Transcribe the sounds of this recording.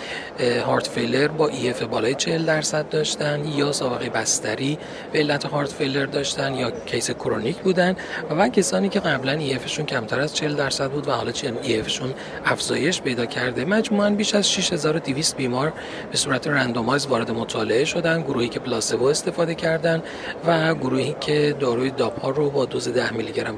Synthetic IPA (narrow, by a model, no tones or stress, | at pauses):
hɒːɾt̪ʰfejle̞ɾbɒːʔie̞febɒːlɒːjet͡ʃʰeheld̪æɾsæd̪̚ːɒːʃt̪ænd̪jɒːsɒːbe̞ɣe̞jebæst̪æɾiː | b̥eːlːæt̪ʰehɒːɾt̪fejle̞ɾd̪ɒːʃt̪ænd̪jɒːcʰejsekʰoɾonicʰbuːd̪ænd̪vvæcʲʰesɒːniːcʲʰe̞ɣæblæniːe̞feʃuncʰæmt̪ʰæɾæzt͡ʃʰeheld̪æɾsæd̪̚buːd̪væhɒ̰ːlɒːt͡ʃʰiniefeʃun | æfz̥ɒːje̞ʃpejd̪ɒːcʰæɾd̪e̞mæd͡ʒmuːænbiːʃæzʃiʃhe̞zɒːɾod̪iviːst̪̚biːmɒɾ | b̥e̞suːɾæt̪ʰeɾænd̪omɒːjzvɒːɾe̞d̪e̞mo̞t̪ʰɒːle̞e̞ʃo̞d̪ænd̪ɡoɾuːhiːcʲʰe̞plɒːse̞voe̞st̪e̞fɒːd̪e̞cʰæɾd̪ænd | væɡoɾuːhiːcʰe̞d̪ɒːɾuːje̞d̪ɒːphɒːrobɒːd̪oze̞d̪æhmilːiɟeɾæm